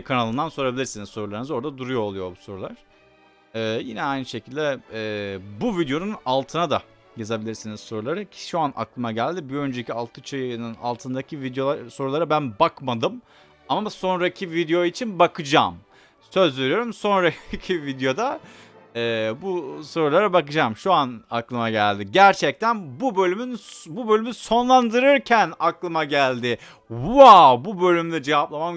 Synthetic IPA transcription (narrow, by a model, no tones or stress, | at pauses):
kʰanalˠɯnd̪anso̞ɾabilʲiɾsinizso̞ɾulˠaɾɯnɯzo̞ɾd̪ad̪uɾujo̞ːlˠujo̞buso̞ɾulˠaɾ̥ | ɛːjinɛajnɯʃe̞cʰilʲd̪ɛɛːbuvid̪jo̞nunalˠt̪ʰɯnad̪a | ɟezabilʲiɾsiniz̥so̞ɾulˠaɾɯcʰi̥ʃuanʔa̰klˠɯmaɟælʲd̪ibiø̞nd͡ʒecialˠt̪ʰɯt͡ʃʰajɯnɯna̰lˠt̪ʰɯnd̪acʰivid̪joaso̞ɾulˠaɾabænbakmad̪ɯm | amaaso̞nɾacʰivid̪ejo̞jit͡ʃʰinbakʰɯd͡ʒa̰ːm | sø̞zveɾijo̞ɾumso̞nɾacʰivid̪jo̞d̪a | ɛːbuso̞ɾulˠaɾabakɯd͡ʒaːmʃuanaklˠɯmaɟæ̰lʲd̪ɪɟæɾt͡ʃʰɛc̚t̪ʰænbubø̞lʲymynbubølʲymynso̞nlˠand̪ɯɾɯɾcʰænaklˠɯmaɟælʲd̪ɪ | abubø̞lʲymd̪ʲɛd͡ʒevaplˠama